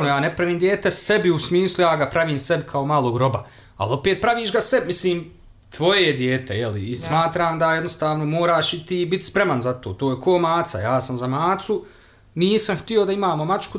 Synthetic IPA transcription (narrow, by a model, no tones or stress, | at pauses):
nojaːne̞pɾaʋiːmd̪jeːt̪e̞sebiusmiːslˠujaːɡapɾaʋiːmse̞bkʰaomaːlˠoːɡɾo̞ba | a̰lo̞peːt̪̚pɾaʋiːʃɡasebmisliːm | t̪ʋo̞jejed̪jeːt̪e̞̰jelḭːsmaːt̪ɾaːmd̪ajed̪nost̪aːʋno̞mo̞ːɾaːʃit̪iːbit̪spɾe̞manzat̪oːt̪oːjekʰoːmaːt̪sa̰jaːsamzamaːt̪su | niːsamxt̪io̞d̪aimaːmo̞mat͡ʃku